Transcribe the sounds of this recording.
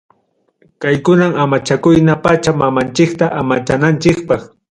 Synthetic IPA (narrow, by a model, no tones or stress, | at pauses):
kajkʊnamamat͡ʃakʊjnapat͡ʃamamant͡ʃɪkt̪aʔamat͡ʃanant͡ʃɪk̚pɑχ